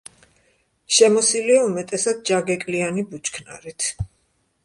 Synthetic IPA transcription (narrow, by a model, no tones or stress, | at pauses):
ʃɛmɔsiliaumɛt̪ʼɛsad̪̚d͡ʒaɡɛkʼlianibut͡ʃʰkʰna̰ɾit̪ʰ